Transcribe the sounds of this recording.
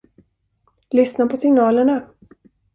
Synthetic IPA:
lʏsnapʰɔsɪŋnɑːləɳa

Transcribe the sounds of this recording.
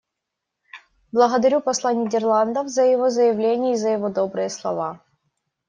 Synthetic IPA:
blˠəɣəd̪ɐɾʲupɐslˠanʲɪdʲɪrlˠand̪əvzəjɪvo̞zəjɪvlʲenʲɪjəizəjɪvod̪o̞bɾɨjəslˠɐ̰va

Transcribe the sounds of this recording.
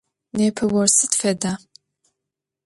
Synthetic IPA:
neːpʰɐwɔrsɨtfɛdaː

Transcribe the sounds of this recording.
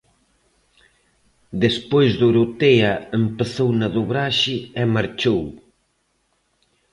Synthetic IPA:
d̪espojzðoɾot̪eaempeθownaðuβɾaʃɪɛmaɾt͡ʃow

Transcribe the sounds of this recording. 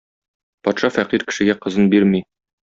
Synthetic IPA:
pɒt̪ʃɑfæqiɾkɘ̥̆ʃɘ̆ɡæqɤ̆zɤnbiɾmi

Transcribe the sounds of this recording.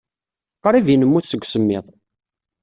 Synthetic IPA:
qɾˤivinəmːuθsəɡʷːsəmːɪðˤ

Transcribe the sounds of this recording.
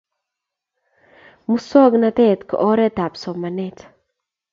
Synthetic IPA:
mʊsːoːɡnɐt̪et̪kɔʔoːɾet̪aːbsɔmːɐneːt̪

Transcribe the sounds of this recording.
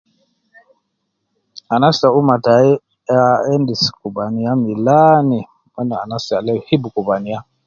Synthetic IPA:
anasaumatai | aɛndiskubaniamilani | mɛnaa̰nasalɛhibukubania

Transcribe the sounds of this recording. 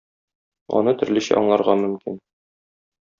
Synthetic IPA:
ɒ̰nɤt̪ɵ̆ɾlɘ̆ɕæ̰ɒɴlˠɑɾʁɑmɵ̆mkin

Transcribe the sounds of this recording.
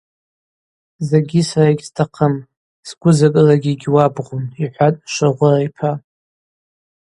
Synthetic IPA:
zeɡʲisaraiɡʲstʰaqʰəm | sɡʷʊzakʼɨlaɡʲiɡʲwabʁuniħʷatʼʃʷaʁʷʊrajpʰa

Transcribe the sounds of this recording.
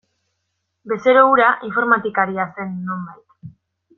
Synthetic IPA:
be̞se̞ɾouɾaʔiɱfo̞ɾmat̪ikaɾiase̞nːo̞mbajt̪

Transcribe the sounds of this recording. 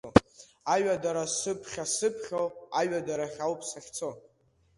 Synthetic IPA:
o | aɥadaɾasɨpʰχʲasɨpʰχʲowaɥadaɾaχʲawpʰsaχʲt͡sʰo

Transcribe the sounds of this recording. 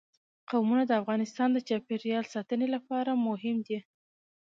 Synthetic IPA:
qawmunad̪əafɣɑnɪst̪ɑnd̪ət͡ʃɑpeɾjɑlsɑt̪ənelapɑɾamʊɦɪmd̪i

